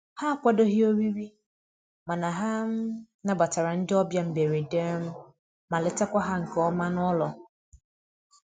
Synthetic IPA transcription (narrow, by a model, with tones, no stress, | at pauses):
ha˦˨kʷa˦do˦ɦi˦o˦ɾi˦ɾi˦ | ma˨na˨ɦa˦m̩˦ | na˨ba˨ta˨ɾa˨n̩˦dɪ˦ɔ˦bja˦m̩˨be˨ɾe˨de˦m̩˦ | ma˨lɪ˨ta˦kʷa˦ɦa˦ŋ̩˨kɔ˦ma˦n˦ɔ˦lɔ˨